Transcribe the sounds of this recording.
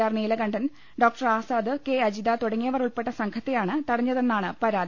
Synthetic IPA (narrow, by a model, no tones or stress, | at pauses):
aːrniːlɐɡɐɳɖɐn | ɖoːk̚ʈɐraːsaːd̪ɨke̞ɐd͡ʑid̪aːt̪uɽɐŋːijɐʋɐruɭpe̞ʈːɐsɐŋkʰɐt̪ːejaːɳɨt̪ɐɽɐɲːɐðenːaːɳɨpɐɾaːd̪